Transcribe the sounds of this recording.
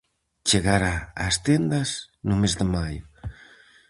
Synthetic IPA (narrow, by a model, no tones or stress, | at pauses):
t͡ʃeɣaɾa̰ːst̪end̪as | numezd̪emajʊ